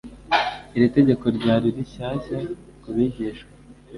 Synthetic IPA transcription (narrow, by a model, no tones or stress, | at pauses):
iɾite̞ɟe̞ko̞ɾɟaːɾiɾiçaːɕa | kuβiɟeʃkwa